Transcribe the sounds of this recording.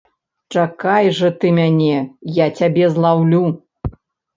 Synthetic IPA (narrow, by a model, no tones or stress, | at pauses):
t͡ʂakajʐɐt̪ɨmʲanʲɛjat͡sʲabʲɛzlˠawlʲu